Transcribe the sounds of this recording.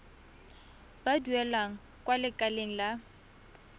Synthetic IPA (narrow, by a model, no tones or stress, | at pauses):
baduɛlaŋ̩ | kwalɪkʼaleŋ̩la